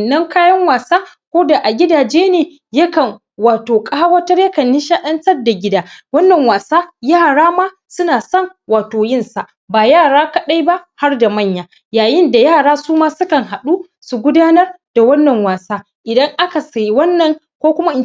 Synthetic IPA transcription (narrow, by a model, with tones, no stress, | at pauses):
nːɐ˦ŋkaː˦jɐ˦ŋwaː˨saː˦ | kʷoː˦da˨ʔa˨ɡʲɪ˦daː˨d͡ʒeː˦neː˨ | jɐ˦kɐ˨ŋ | waː˨toː˨kʼa˦wɐ˦tɐ˦rjɐ˦kɐ˨nːɪ˦ʃaː˦ɗɐ˦ntɐ˦rda˨ɡʲɪ˦daː˦wɐ˦nːɐ˨ŋwaː˨saː˦jaː˦˨ɽaː˦maː˦ | sʊ˦naː˨sɐ˦˨ŋwaː˨toː˨jɪ˦nsa˨ʔ | baː˨jaː˦˨ɽaː˦kɐ˦ɗa˦jba˦ha˦rda˨mɐ˦˨ɲjaː˨ | jaː˨jɪ˦nda˨jaː˦˨ɽaː˦suː˦maː˦sʊ˦kɐ˨ŋɦa˨ɗuː˦ | su˨ɡʷʊ˦daː˦nɐ˦rd̥a˨wɐ˦nːɐ˨ŋwaː˨saː˦ | ʔɪ˨dɐ˦ŋʔa˦ka˨sa˨jwɐ˦nːɐ˨ŋ | kʷoː˦kʷʊ˦ma˦ʔɪ˨